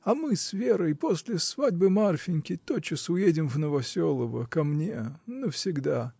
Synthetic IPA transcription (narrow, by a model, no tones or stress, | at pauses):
ɐmɨsvʲeɾəjposʲlʲɪsvadʲbɨmarfʲɪnʲkʲɪt̪ot͡ɕːɪsʊjedʲɪmvnəvɐsʲolˠəvəkɐmnʲe̞nəfsʲɪɡd̪a